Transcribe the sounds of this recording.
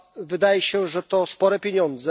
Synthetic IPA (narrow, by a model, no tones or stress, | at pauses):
vɘd̪ajɛɕɛʐɛt̪ɔspɔɾɛpʲjeɲɔnd̪zɛ